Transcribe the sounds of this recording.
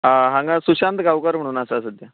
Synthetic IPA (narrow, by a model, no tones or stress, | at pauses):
ɦaɦãŋɡasuɕant̪ɡawkəɾm̤əɽ̃uːnasasəd̪ja